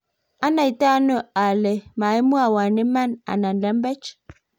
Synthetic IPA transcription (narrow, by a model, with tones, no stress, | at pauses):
a˦na˨i˨ta˦no˦a˨le˨ma˨e˦mu˦a˨wa˨ne˦ma˦na̰˨na˨n̩˨lɛ˨˦m̩˦bɛ˦t͡ʃ